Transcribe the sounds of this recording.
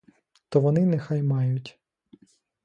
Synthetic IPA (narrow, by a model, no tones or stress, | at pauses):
t̪ɔʋɔnɪnɛxɑjmɑjʊtʲ